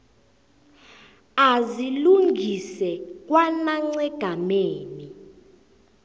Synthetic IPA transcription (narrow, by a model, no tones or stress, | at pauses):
aziluŋɡʱisɛk̬ʼwanaŋ͡ǀɛɡ̥ʱameːni